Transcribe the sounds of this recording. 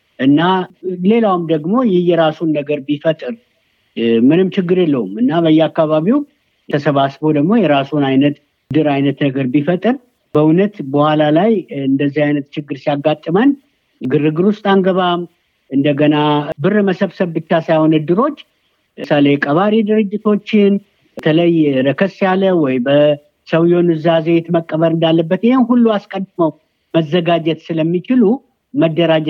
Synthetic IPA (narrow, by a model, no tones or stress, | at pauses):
ʔɨnːale̞lawumd̪əɡmo̞jɪhjɛɾasunːəɡəɾbifət̪ʼɨɾ | mɨnɨmt͡ʃɪɡːɨɾjɛlːəwumɨnːaβəjːɛakːaβaβiw̪ʰ | əsəβasbod̪əɡmo̞jɛɾasunajnət̪ | d̪ɨɾajnət̪nəɡəɾbifət̪ʼɨɾ | bəunət̪bəhʷalalajɨnd̪əzːihajnət̪t͡ʃɪɡːɨɾsijaɡːat̪ʼːɨmən | ɡɨrɨɡɨɾwʊst̪ʼaŋɡəβam | ɨnd̪əɡənabɨrməsəβsəβbɨt͡ʃːasajho̞nɨd̪ːɨɾo̞t͡ʃː | salejkʼəβaɾid̪ɨɾɨd͡ʒːɪt̪ʰo̞t͡ʃːɪn | t̪ʰələjɾəkʰəsːijalːəwɔjbə | səwjonɨzazejet̪məkʼːəβəɾɨnd̪alːəbːət̪ɪhemɦulːuaskʼənd̪məw | məzːəɡad͡ʒɛt̪sɨləmːit͡ʃɪlu | məd̪ːəɾad͡ʒ